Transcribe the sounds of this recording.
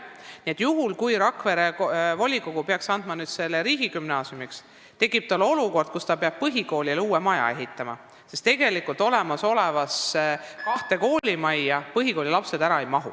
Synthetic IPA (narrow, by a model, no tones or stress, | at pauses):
nie̞t̪juɦulkujɾɑkve̞ɾevo̞lʲikoɡ̥upeɑksɑnd̪mɑnyːd̪̥se̞lːeɾiːɡikymnɑːsjumiks | t̪e̞kːˑib̥̚t̪ɑlːo̞luko̞rd̪̥̚kust̪ɑpeɑb̥̚pɤɦiko̞ːliluːemɑjɑ̰e̞ɦit̪ːˑɑmɑ̰ | se̞st̪eɡe̞likːˑult̪ˑo̞le̞mɑso̞le̞vɑskɑht̪e̞ko̞ːlʲimɑjːɑpɤɦiko̞ːlʲilɑpse̞d̪æɾɑe̞jmɑɦṵ